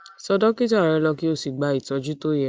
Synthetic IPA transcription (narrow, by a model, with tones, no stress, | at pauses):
sɔ˧dɔ˦ki˦ta˨ɾɛ˧lɔ˧ki˦o˦˨si˨ɡ͡ba˨˧i˨tɔ˨˦d͡ʒu˦to˦jɛ˧˨